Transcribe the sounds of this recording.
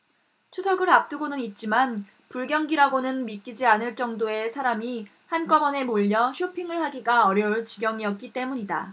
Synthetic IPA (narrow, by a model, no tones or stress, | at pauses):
t͡ɕʰusʰʌɡɯɾap̚t͈uɡonɯnit̚t͡ɕ͈iman | puɭɡjʌŋɡiɾaɡonɯnmik͈id͡ʑianɯɭt͡ɕ͈ʌŋdoe̞sʰaɾami | hank͈ʌmʌne̞moʎːʌɕʰopʰiŋɯɭhaɡiɡaʌɾjʌuɭt͡ɕiɡjʌŋiʌt̚k͈it͈e̞muɲida̰